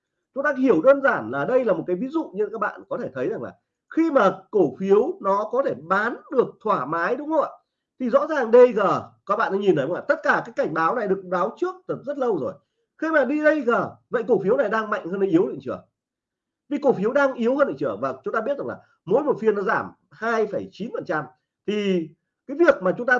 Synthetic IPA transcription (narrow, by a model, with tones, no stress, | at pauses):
t͡ɕʊ˨˦ŋ͡mt̪aː˧hi˧˩əwɗəː˧nzaː˧˩nlaː˨˩ɗə˧jlaː˨˩mo˨˩t̚kaː˨˦jvi˨˦zṵ˧˨ɲɨ˧kaː˦˥k̚ɓa̰ː˧˨nkɔ˨˦t̪ʰe˧˩t̪ʰə˨˦jza˨˩ŋla̰ː˨˩ | xi˧maː˨˩ko˧˩fi˨˦əwnɔ˨˦kɔ˨˦t̪ʰe˧˩ɓaː˨˦nɗɨ˨˩ək̚t̪ʰwaː˧˩maː˨˦jɗʊ˨˦ŋ͡mo˧˦˨ | t̪ʰi˨˩zɔ̰˧˥zaː˨˩ŋɗə˧jɣəː˨˩kaː˦˥k̚ɓa̰ː˧˨nɗa˧˦ɲi˨˩nə˨˦˨laː˨˩t̪t̚kaː˧˩kaː˨˦jkːa˧˩jŋ̟ɓaː˨˦wna˨˩jɗɨ˨˩ək̚ɓaː˨˦wt͡ɕɨ˦˥ək̚t̪ɨ˨˩zə˦˥t̚lə˧wzo˨˩j | xi˧maː˨˩ɗi˧ɗə˧jɣəː˨˩və̰˧˨jko˧˩fi˨˦əwna˨˩jɗaː˧ŋma̰˧˨jŋ̟həː˧nɗə˧˩ʔi˨˦əwɗə̰˧˨t͡ɕɨ˧˩ə | vi˧˩ko˧˩fi˨˦wɗaː˧ŋʔi˨˦əwhəː˧nɗə̰˧˨t͡ɕɨ˧˩əvaː˨˩t͡ɕʊ˦ŋ͡mt̪aː˧ɓi˦˥ət̚za˨˩ŋlaː˨˩ | mo̰˧˥mo˨˩t̚fi˧ənːɔ˨˦zaː˧˩m | haː˧jfə˧˩jt͡ɕi˨˦nfə˨˩nt͡ɕa˧m | t̪ʰi˨˩ | kaː˨˦jvi˨˩ək̚maː˨˩t͡ɕʊ˨˦ŋ͡mt̪aː˧